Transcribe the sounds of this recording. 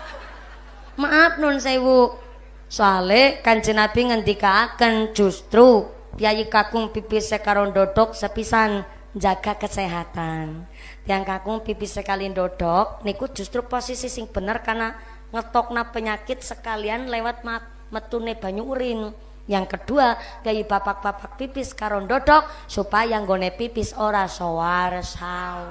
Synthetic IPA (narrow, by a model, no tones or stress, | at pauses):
maːp̪̚nʊnsaiwu | soalekaɲd͡ʒənab̥i̤ŋənd̪ikaːkən̥d͡ʒ̥ṳst̪ɾu | pijajikaɡ̥ʊŋpipisekaɾoɳɖɔɖ̥ɔk̚səpisan | ɲd͡ʒaɡ̥a̤kəseɦat̪an | t̪iaŋkaɡ̥ʊŋpipisekalinɖɔɖ̥ɔk̚niku̥d͡ʒ̥ṳst̪ɾuposisisɪŋb̥ə̤nərkarna | ŋət̪ɔk̚napəɲakɪt̪̚səkalianlewat̪̚mat̪̚ | mət̪uneb̥a̤ɲuuɾɪn | jaŋkəd̥uapiajib̥apak̚b̥apak̚pipɪskaɾoɳɖɔɖɔk̚ | supajaŋɡonepipɪsoɾasowarsau